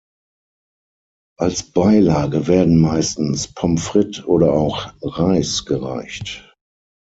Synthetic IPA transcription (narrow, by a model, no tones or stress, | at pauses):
ʔalsb̥aɪlaːɡəvɛːɐdn̩maɪstn̩spʰɔmfʁ̥ɪtʰʔoːɾɐaʊxʁaɪsɡ̥əʁa̰ɪçt